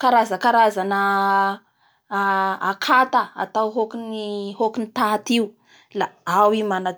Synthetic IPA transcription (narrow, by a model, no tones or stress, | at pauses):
kaɾazəkaɾazanə | akʰat̪aa̰t̪awɦokinihokinit̪at̪iu | laawimana